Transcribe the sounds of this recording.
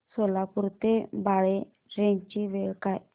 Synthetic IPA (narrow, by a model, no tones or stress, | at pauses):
solapuɾt̪ebaɭe | ɾẽɲt͡ɕiʋeɭkaj